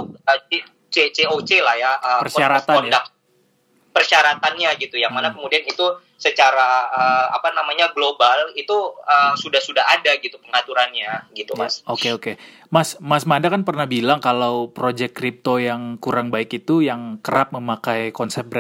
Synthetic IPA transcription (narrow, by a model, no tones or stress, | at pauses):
ət͡ʃe | t͡ʃet͡ʃeot͡ʃelahjaəpərʃaɾaaɔndak̚ | pərʃaɾat̪anɲaɡit̪ujaŋmanakəmudianit̪u | sət͡ʃaɾaəa̰panamaɲaɡlobalit̪uəsudahsudaɦadaɡit̪upəŋat̪uɾanɲaɡit̪ujmasokeoke | masmasmandakanpərnahbilaŋkalawpɾod͡ʒɛkːɾip̚t̪ojaŋkuɾaŋbaɪkit̪ujaŋkəɾap̚məmakajkɔnsɛp̚bɾɛ